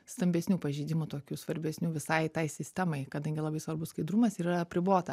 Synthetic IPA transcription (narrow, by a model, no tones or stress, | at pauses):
st̪ɐmʲbʲɛsʲnʲuːpɐʒʲiːd̪ʲɪmʊt̪oːkʲuːsʋɐɾʲbʲɛsʲnʲuːʋʲɪsɐɪt̪ɐɪsʲɪsʲt̪ʲɛmɐɪkɐd̪ɐŋʲɡʲɪlˠɐbɐɪsʋɐrɾbʊsskɐɪd̪ɾumɐsiːɾɐɐpʲɾʲɪboːt̪ɐ